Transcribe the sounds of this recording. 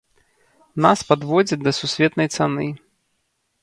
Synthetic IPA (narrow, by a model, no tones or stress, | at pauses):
naspad̪vɔd͡zʲɐd̪ɐsusʲvʲɛt̪nɐjt̪sanɨ